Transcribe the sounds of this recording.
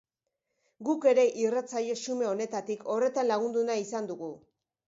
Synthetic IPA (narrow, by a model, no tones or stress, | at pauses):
ɡuke̞ɾe̞ʔirat͡saʎe̞sume̞o̞ne̞t̪at̪ikʰo̞re̞t̪anlaɣ̞und̪unaisand̪uɣu